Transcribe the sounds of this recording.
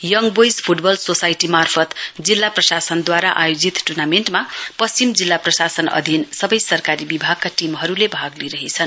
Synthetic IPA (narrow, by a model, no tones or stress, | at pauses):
jʌŋbojspʰuʈbʌlsosajʈimarpʰʌt̪d͡zilːaprʌsasʌnd̪waɾaʔajod͡zit̪ʈurnamenʈmapʌst͡simd͡zilːaprʌsasʌnʌ̰d̪ʱinsʌbʌjsʌrkaɾibibʱaɡ̚kaʈimɦʌɾulebʱaɡliɾʌɦit͡sʰʌn